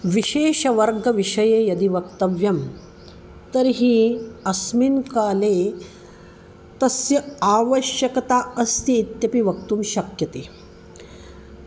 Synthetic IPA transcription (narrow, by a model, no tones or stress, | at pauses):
ʋiɕeːʃɐʋɐɾɡʱɐʋiʂɐjeːjɐd̪iʋɐkt̪ɐʋjɐm | t̪ɐɾɦiːɐsminkaːle | t̪ɐsjɐaːʋəʃjɐkɐt̪aəst̪iːt̪jɐpiʋɐk̚t̪uːmɕɐkjɐt̪eː